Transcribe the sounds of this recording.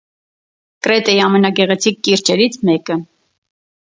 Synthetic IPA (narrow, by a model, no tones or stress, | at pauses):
kəɾɛt̪ɛjɑmɛnɑɡɛʁɛt͡sʰikːiɾt͡ʃɛɾit͡sʰmɛkə